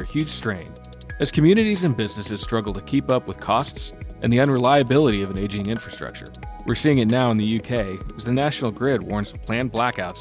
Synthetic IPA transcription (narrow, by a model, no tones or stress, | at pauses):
ɨhjʉd̥ʒ̥stɹ̥ẽɪ̃n | ɨz̥kʰɨmjʉnɨɾizɨ̃nbɪznɨsɨz̥stɹ̥ʌɡl̩ˠtʰɨkʰipʌpwəð̥kʰɔstsʔɨ̰̃nðiʌ̃nɹɨlaɪɨbɪlˠəɾiʌvɨ̃neɪd͡ʒɪ̃ŋɪ̃ɱfɹɨstɹ̥ʌ̰k̚t͡ʃə̰˞wɨɹsiɪ̃ŋɨtⁿnaʊə̃nðɨjʉkʰeɪɨzðɨnæʃnl̩ˠɡɹɪd̚wɔɹnzpʰl̥æ̃nblækaʊts